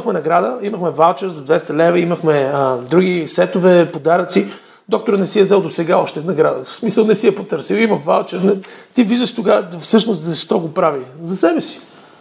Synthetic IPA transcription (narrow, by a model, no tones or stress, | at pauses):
iəxmɛnɐɡɾad̪əiməxmɛvalˠt͡ʃɛɾzɐd̪vɛst̪ɐlɛvɛiməxmɛd̪ɾuɡisɛt̪ovɛpod̪aɾət̪si | d̪ɔk̚t̪oɾənɛsiɐzɛlˠd̪osɛɡaɔʃt̪ɛnɐɡɾad̪əsmisəlˠnɛsiɛpot̪ɤɾsiwiməva̰lˠt͡ʃɛɾnɛt̪iviʒd̪əʃt̪oɡafsɤʃnost̪zɐʃt̪ɔɡopɾavizɐsɛbɛsi̥